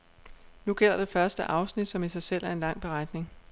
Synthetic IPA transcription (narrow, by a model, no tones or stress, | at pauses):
nuɡ̥el̰ɐd̥e̝fɶɐsd̥əʔɑ̈ʊsnid̥sɒ̽misɑ̈ɪsel̰ʔæɐe̝nlɑ̈ŋ̰b̥e̝ʁɑ̈d̥ne̝ŋ